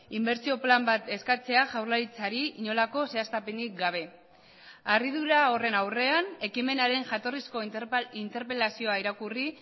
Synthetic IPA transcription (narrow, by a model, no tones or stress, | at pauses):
imbe̞ɾt͡sio̞plambat̪e̞skat͡se̞aʝawrlaɾit͡saɾiiɲo̞lako̞se̞ast̪ape̞nik̚ɡaβ̞e̞ | ariðuɾao̞re̞nawre̞ane̞kime̞naɾe̞ŋʝat̪o̞risko̞int̪e̞ɾpe̞lasio̞aiɾakuri